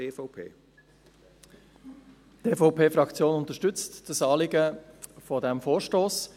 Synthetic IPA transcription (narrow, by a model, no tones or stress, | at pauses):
eːfɔpʰḛː | teːfoʊpʰeːfɾɑkt͡sjoːnʊnt̪əʃtʏt͡std̥əsɑːlɪɡəfɔdɛmfoːɾʃtoːs